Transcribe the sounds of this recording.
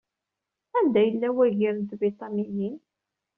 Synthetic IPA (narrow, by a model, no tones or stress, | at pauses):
ænd̪æjəlːæwæʝiɾənt̪bɾit̪ˤɑnijin